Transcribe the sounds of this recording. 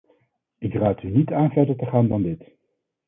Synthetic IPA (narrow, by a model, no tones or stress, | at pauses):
ɪkraːtynitaːnvɛɹdəɹtəχaːndɑndɪt